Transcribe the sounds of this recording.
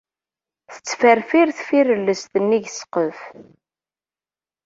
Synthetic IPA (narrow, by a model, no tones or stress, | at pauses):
θə̥t͡sːfəɾfiɾθfiɾəlːəst̪ənːiʝsə̥qəf